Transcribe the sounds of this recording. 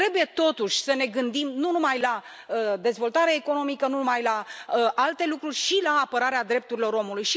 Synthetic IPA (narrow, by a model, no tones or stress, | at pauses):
ɾe̞buje̞t̪o̞t̪uʃʲsəne̞ɡɨnd̪imnunumajla | əd̪e̞zvo̞lt̪aɾeːko̞no̞mikənunumajlaəʔalt̪e̞lukɾurʲʃilaːpəɾaɾead̪ɾe̞p̚t̪uɾilo̞ɾo̞mulujʃi